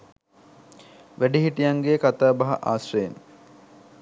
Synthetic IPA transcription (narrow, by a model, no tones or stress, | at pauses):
ʋæɖiɦiʈijaŋɡekat̪aːbɐɦɐ̰ʔa̰ːsrejen